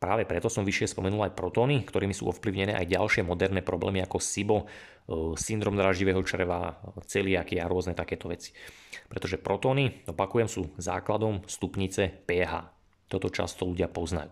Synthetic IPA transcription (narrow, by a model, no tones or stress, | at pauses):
pɾaːʋɛpɾɛt̪ɔsɔmʋiʃɪɛspɔmɛnulajpɾɔt̪ɔːnikt̪ɔɾiːmisṵːɔfpliʊɲɛnɛːʔajɟalʃɪɛmɔd̪ɛɾnɛːpɾɔblɛ̰ːmiakɔsibɔ | sind̪ɾɔmd̪ɾaːʒɟiʋɛːɦɔt͡ʃr̩ʋa̰t͡sɛliakiaɾʊɔznɛt̪akɛːt̪ɔʋɛt͡si̥pɾɛt̪ɔʒɛpɾɔt̪ɔːniɔpakujɛmsuːza̰ːklad̪ɔmst̪upɲit͡sɛpɛːɦa̰ː | t̪ɔt̪ɔt͡ʃa̰st̪ɔluɟɪapɔzna̰juː